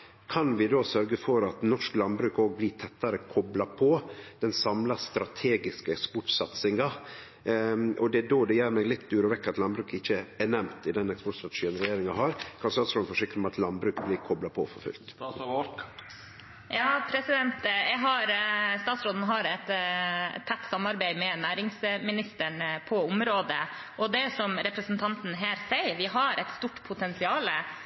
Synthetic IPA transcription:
kʰɑnʋɪd̪oːsœɾɡəfɔɾɑt̪nɔʂklɑnbɾʉːkoːɡ̚blɪːt̪ʰɛt̪ːɑɾəkʰɔblɑpʰɔd̪̥ɛnsɑmlɑst̪ɾɑt̪ʰeːɡɪskəɛkspɔʈsɑt̪sɪŋɑ | ʔɔd̪ɛd̪oːd̪ɛjæːɾmɛɡlɪt̪ːd̪ʉːɾɔʋɛkːɾɑt̪lɑnbɾʉːkɪçːəɛnɛmt̪ɪd̪ɛnɛkspɔʈst̪ɾɑt̪ɛʂiːənɾɛjeːɾɪŋɑɦɑɾkʰɑnst̪ɑːt̪sɾɔːd̪n̩fɔʂɪkːəmɛɑt̪lɑnd̪bɾʉːkblɪɾkʰɔblɑpʰɔ̰fɔɾfʉ̰lt̪ | jɑːpʰɾɛsɪd̪ɛnt̪jɛɡɦɑɾst̪ɑːt̪sɾoːd̪n̩ɦɑɾɛt̪ʰː | ɛt̪ːsɑmɑɾbæɪmɛnæːɾɪŋsmɪnɪst̪əɳpʰɔʊmɾoːd̪ə | ʔɔd̪ɛsɔmɾɛpɾəsənt̪ʰɑnt̪n̩ɦæːɾsæɪɾʋɪɦɑɾʔɛt̪st̪uʈːpʰʊt̪ʰɛnsɪɑːlə

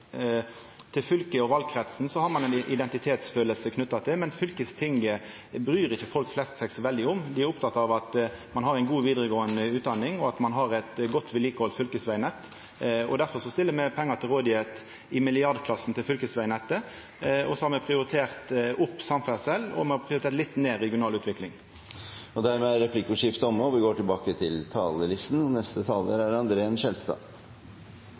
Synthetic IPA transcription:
t̪ʰɪlfʏlkəɔʋɑlɡ̚kʰɾɛt̪sn̩sɔhɑɾmɑnɛɪnʔɪd̪ɛnt̪ɪt̪ʰeːt̪sføːləlsəkʰnʉt̪ːɑt̪ʰɪlmɛnfʏlkəst̪ʰɪŋə | bɾyːɾɪçːəfɔlkflɛst̪sɛksʋɛld̪ɪʊmd̪ɪæɾʊp̚t̪ʰɑt̪ːɑʋɑt̪mɑnɦɑɾæɪnɡuːʋiːd̪əʁəɡoːənəʉːt̪d̪ɑnːɪŋɔɑt̪mɑnɦɑɾɛt̪ɡɔt̪ːʋɪliːkəɔlt̪fʏlkəsʋæɪnɛt̪ː | ɔ̰d̪æɾfɔʁʂɔst̪ɪlːəɾmɛpʰɛŋːɑt̪ʰɪlʁoːd̪ɪet̪ | ɪmɪlɪɑɾd̪kʰlɑsːn̩t̪ʰɪlfʏlkəsʋæɪnɛt̪ːə | ɔsɔhɑɾmɛpʰʁɪʊɾɪt̪ʰeːʁt̪ʔʊpːsɑmfæsɛlːɔ̰mɛhɑpʰʁɪʊɾt̪ʰeːɾt̪lɪt̪ːneːɾɛɡɪʊnɑːlʉːt̪ʰʋɪklɪŋ | ɔd̪æɾmɛæɾɛpʰlɪkʊʂɪft̪ɔmɔʋɪɡoːʈɪlbɑːkət̪ʰɪlt̪ʰɑːləlɪst̪n̩ɔnɛst̪ət̪ʰɑːləɾæɖɑnd̪ɾəɛnʃɛlst̪ɑ̰ː

